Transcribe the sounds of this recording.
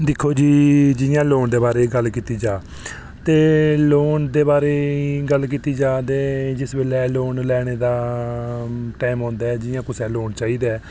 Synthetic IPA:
d̪ɪkʰːoːd͡ʒiːd͡ʒɪjãːloːɳd̪eːbaːɾeːɡəlkiːt̪iːd͡ʒaː | t̪eːloːnd̪eːbaːɾeːɡəlkiːt̪iːd͡ʒaːd̪eːd͡ʒɪsbeːlɛːloːnlɛːɽ̃eːd̪aː | ʈɛːmɦɔ̃ːnd̪aːɛːd͡ʒɪjãːkʊsɛːloːɳt͡ʃaːiːd̪aɛː

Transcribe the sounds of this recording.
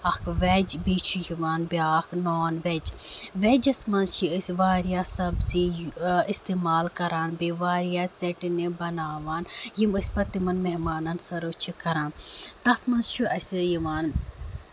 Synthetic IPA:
ɐkʰʋɛd͡ʒbiːt͡ʃʰujiʋaːnbjaːknoːnʋɛd͡ʒʋɛd͡ʒɐsmɐnzt͡ʃʰiəsʲʋaːɾijaːsɐbzijist̪eːmaːlkɐɾaːnbiʋaːɾijaːt͡sɛʈinebɐnaːʋaːnjimɐsʲpɐt̪imɐnmeɦmaːnɐnsɐɾot͡ʃʰikɐɾaːnt̪ɐt̪ʰmɐnzt͡ʃʰuɐsʲjiʋaːn

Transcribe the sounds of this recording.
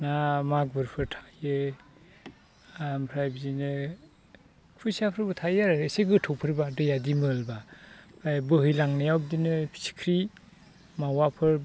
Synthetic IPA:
namak̚bɯɾpʰɯɾtʰḁjɯ | ampʰɾajbzinɯ | pʰusiapʰɾɯbɯtʰajaɾeseɡɯtʰɔwpʰɯɾbadɯjadimɯlbapʰɾajbɯɦɯjlaŋnajawb̚dinɯpʰi̥si̥kʰɾi | mawapʰɯɾ

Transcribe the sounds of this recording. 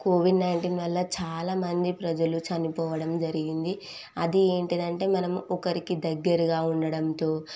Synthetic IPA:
koːʋiɖnɐjɳʈiːnʋɐlːɐt͡ʃaːlaːmɐnd̪ipɾɐd͡ʒɐlut͡ʃɐnipɔːʋɐɽɐmd͡ʒɐɾiɡind̪i | ɐd̪ie̞ːɳʈid̪ɐɳʈe̞ːmɐnɐmuɔkɐɾikid̪ɐɡːɐɾɐɡaːuɳɖɐɽɐmt̪o̞ː

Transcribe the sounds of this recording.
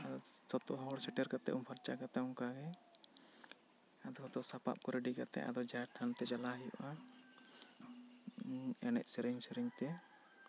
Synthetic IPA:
asɔt̪ɔɦɔɽsɛʈɛɾkat̪ɛ̰ʔumpʰaɾt͡ʃakat̪ɛɔŋkaɡɛ | ad̪ɔhɔt̪ɔsapa̰p̚kɔɾɛɖikat̪ɛ̰ʔa̰d̪ɔd͡ʒaʈʰant̪ɛd͡ʒalaɦɛjɔ̰ʔa | ɛnɛ̰ʔ̚sɛɾɛɲsɛɾɛɲt̪ɛ

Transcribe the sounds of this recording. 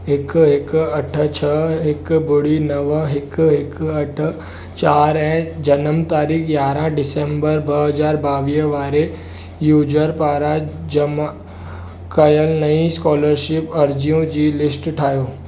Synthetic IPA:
ɦɪkɦɪkɐʈʰt͡ʃʰəɦɪkbʊɽinəʋɦɪkɦɪkɐʈʰ | t͡ʃaːɾɛ̃ːd͡ʒɐnəmt̪aːɾiːkʰjaːɾãɖɪsẽːmbəɾbəɦɐzaːɾbaːʋiʋaːɾe | juːd͡ʒəɾpaːɾad͡ʑəma | kɐjəlnəĩskɔːləɾʃɪpɐɾd͡ʒijõd͡ʑiːlɪsʈʈʰaːjoː

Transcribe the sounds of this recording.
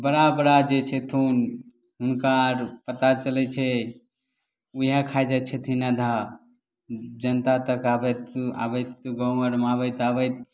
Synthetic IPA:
bəɽabəɽad͡ʒet͡ʃʰet̪ʰun | ɦunkaɾpət̪at͡ʃəlɛt͡ʃʰɛ | uɦakʰajd͡ʒat̪̚t͡ʃʰet̪ʰinad̪ʱa | d͡ʒənt̪at̪əkabət̪a̰bəjt̪ɡə̃wməɾmabəjt̪abəjt̪̚

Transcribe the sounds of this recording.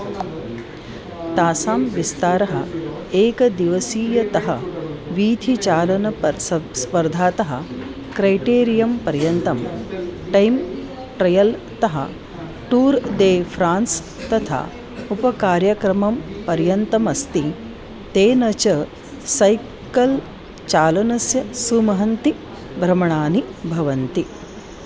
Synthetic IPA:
t̪aːsaːmʋist̪aːɾɐɦɐ̰ | eːkɐd̪iʋɐsiːjɐt̪ɐɦɐʋiːt̪it͡ʃaːlɐnɐspɐɾd̪ʱaːt̪ɐɦɐ̰̆ | kɾɐjʈeːɾijɐmpɐɾjɐnt̪ɐmʈɐjm | ʈɾɐjɐl | t̪ɐɦɐ̰ | ʈuːɾd̪eːpʰɾaːns | t̪ɐt̪ʰa̰ː | upɐkaːɾjɐkɾɐmɐmpɐɾjɐnt̪ɐmɐst̪i | t̪eːnɐt͡ʃɐ | sɐj | kɐl | t͡ʃaːlɐnɐsjɐsumɐɦɐnt̪i | bʱɾɐmɐɳaːnibʱɐʋɐnt̪i

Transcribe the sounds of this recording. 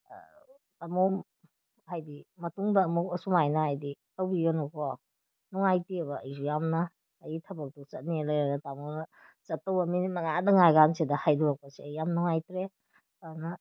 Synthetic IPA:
tamo | hajdimɐtuŋdɐːmuk̚ɐsumajnɐhajditɐwbiɡɐnuko | nuŋajtiɐβɐɐjsujamnɐː | jitʰɐbɐk̚tut͡ʃɐt̚nilajaɾatamonɐt͡ʃɐtːɐwɐmimɐŋadɐŋajɡansidɐhajduak̚pɐsiɐjjamnuŋajtɾe | anɐ

